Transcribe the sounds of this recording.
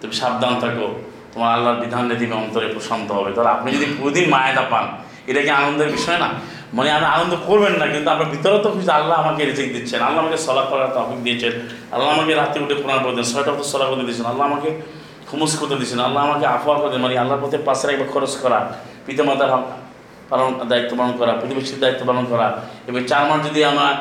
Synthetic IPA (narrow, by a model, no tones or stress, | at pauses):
t̪umiʃab̚d̪anɔt̪ʰako | t̪omaɾaalːaɾbid̪ʱanːit̪imeɔnt̪ɔɾepɾɔsɔnd̪ʱɔɦɔbet̪aɾeapɔnid͡ʒɔd̪ipuɾd̪inmajat̪apan | eɾakĩanɔnd̪ɔɾebiʃɔjena̰ | mɔneameanɔnd̪ɔkoɾbennːakint̪uapebit̪ɔɾɔt̪ɔkʰut͡ʃit̪alːaɦamakeɾid͡ʒik̚d̪it͡ʃʰenalːaamakesɔlapɾɔkaɾt̪ɔpik̚d̪iet͡ʃʰen | a̰lːaamakeɾat̪iuʈepuɾanpɔɾt̪ɔnsɔjʈakɔt̪ɔsɔlakɔɾt̪ɔd̪it͡ʃʰɔnalːaɦamake | kʰɔmuskuɾt̪ɔd̪it͡ʃʰɔnalːaɦamakeapʰaɾkɔɾd̪inmɔnealːaɾpɔt̪ʰepaseɾakibakʰɔɾoskɔɾa | pit̪imad̪ʱaa | palɔnd̪ait̪ːɔbalɔnkɔɾapit̪imit͡ʃit̪id̪ait̪ːɔbalɔnkɔɾaebɔŋt͡ʃaɾmand͡ʒɔd̪iama